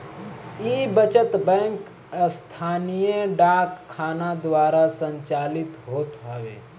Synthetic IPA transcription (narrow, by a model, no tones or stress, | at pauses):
iːbət͡ʃət̪bɛ̃ːŋk | st̪ʰaːnijeɖaːkʰːaːnad̪ʋaːɾasə̃ɲt͡ʃaːlɪt̪ɦoːt̪ɦaʋḛː